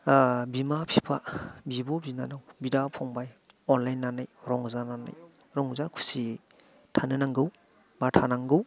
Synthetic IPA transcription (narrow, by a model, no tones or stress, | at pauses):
bimapʰipʰabibɔbinanawbidapʰɔŋbaj | ɔnlajnːanajɾɔŋzanana̰j | ɾɔŋzakʰu̥si | tʰanɯnaŋɡɯw | batʰanaŋɡɯw